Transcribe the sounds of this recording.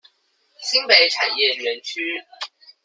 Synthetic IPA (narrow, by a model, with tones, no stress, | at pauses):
ɕi˥ŋpe˧˥ɪʈ͡ʂʰa˨˩njɛ˥˨ɥə˨˧˥nt͡ɕʰy˥